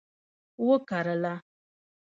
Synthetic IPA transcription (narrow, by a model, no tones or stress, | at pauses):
wokaɾala